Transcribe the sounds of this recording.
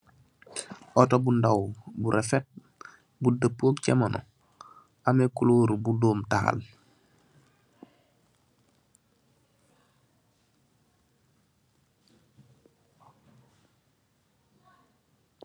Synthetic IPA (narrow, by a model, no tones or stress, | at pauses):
ʔɔtobundawbuɾʔefet̚ | budəpːoːkcɛmanʔɔ̰ | amekuloːɾbudoːmtaha̰l